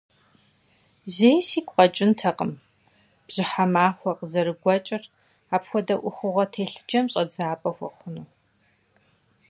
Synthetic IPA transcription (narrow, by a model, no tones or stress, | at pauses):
zeːjsiːkʷqʼɐt͡ʃʼɪntʰɐqəm | b̥ʑ̥ɪħamaːxʷɔqzɐɾɨɡʷɔt͡ʃʼɪr | aːpxʷɔdɐʔʷʊxʷʊʁɐtʰeːɬɨd͡ʒɐmɕʼɐd͡zaːpʼɐxʷɔχʷʊnuː